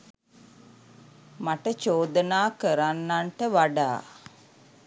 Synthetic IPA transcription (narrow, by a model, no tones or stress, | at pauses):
maʈət͡ʃoːd̪ənaːkəɾanːaɳʈəʋaɖaː